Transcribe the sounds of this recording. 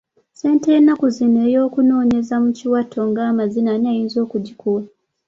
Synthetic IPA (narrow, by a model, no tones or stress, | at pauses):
se̞ːntenːakuzinejoːkuno̞ːɲe̞zamuciwatʰo̞ŋɡaːmazinanajiːnzo̞ːkuɟikua